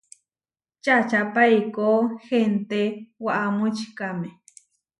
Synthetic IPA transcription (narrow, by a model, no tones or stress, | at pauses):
t͡ʃat͡ʃapajkoːhent̪ewaʔamʊt͡ʃkamɪ